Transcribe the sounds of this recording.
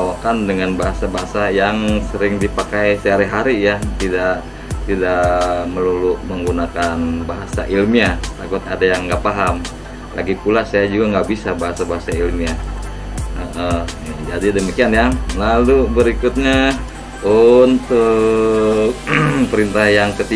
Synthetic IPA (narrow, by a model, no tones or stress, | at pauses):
awakandəŋanbaɦasabaɦasajaŋsəɾɪŋdipakajsəɦaɾiɦaɾijat̪idaʔ | t̪idaʔməluluʔməŋɡunakanbaɦasa̰ʔilmiat̪aɡʊt̪̚adajaŋːɡapaɦam | laɡipulasajad͡ʒuɡaŋɡaʔbisabaɦasabaɦasailmia | əʔəd͡ʒadidəmikianjalalubəɾikʊt̪̚ɲa | unt̪ʊ | kpəɾint̪ahjaŋkət̪i